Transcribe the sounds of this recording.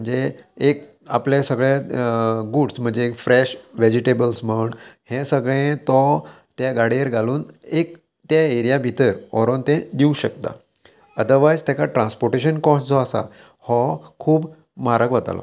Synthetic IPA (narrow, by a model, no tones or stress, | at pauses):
əɳd͡zeek̚ | a̰plesəɡɭe | ɡuɖsm̤əɳd͡zekfɾeɕʋed͡ʑiʈebəlsməɳhẽsəɡɭẽt̪ɔ | t̪jaɡaɽieɾɡʱaluːnek | t̪jaeɾijabʱit̪əɾɔ̰ɾont̪ẽd̪iũɕəkt̪a̰ | əd̪əʋajst̪jakaʈɾãnspɔɾʈeɕənkɔ̃sd͡zʱɔasa̰ | hɔkʰuːb | maɾəkʋət̪a̰lɔ̰